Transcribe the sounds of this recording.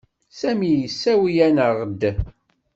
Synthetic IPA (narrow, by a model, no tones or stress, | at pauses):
sæmijəsːæwijænəʁəd̪ː